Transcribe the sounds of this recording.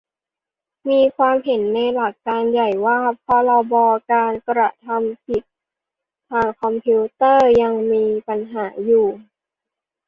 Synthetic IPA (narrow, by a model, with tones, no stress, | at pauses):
miː˧kʰwaː˧mɦe˩˦nːa˧jla˨˩kːaː˧nja˨˩jwaː˥˩˨p̚kʰɔː˧lɔ˧wbɔː˧kaː˧nkɾa˧t̪ʰa˧mpi˨˩t̪̚ʰː | aː˧ŋkʰɔ˧mpʰi˦˥t̪ɤː˥˩ja˧ŋmiː˧pa˧nɦaː˩˦juː˨˩